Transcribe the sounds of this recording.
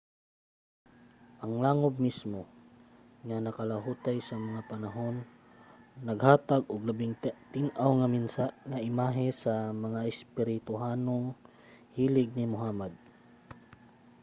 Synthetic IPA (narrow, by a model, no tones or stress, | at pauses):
ʔɐŋlaːŋob̚mismo | ŋanɐkɐlaɦuːt̪ajsɐmɐŋapɐnaɦo̞nː | ɐɡhaːt̪aɡʔʊɡlabɪŋt̪ɪnʔawŋɐminsaŋaʔɪmaːɦɪsɐmɐŋaɪspɪɾɪt̪ʊɦaːnoŋ | hiːlɪɡ̚nɪmʊɦaːmad̪̚